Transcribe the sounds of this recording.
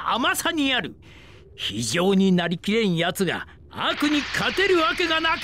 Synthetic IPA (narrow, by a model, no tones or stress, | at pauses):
a̰masaɲ̟iaɾɯ̟ | çḭʑo̞ːɲ̟inaɾʲikʲiɾẽ̞ɰ̃jat͡sɨɡa̰ | a̰kɯ̟ɲ̟ikʰat̪e̞ɾɯ̟βake̞ɡanak